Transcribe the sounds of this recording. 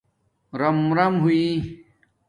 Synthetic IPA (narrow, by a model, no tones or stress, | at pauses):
ɾɐmɾɐmɦui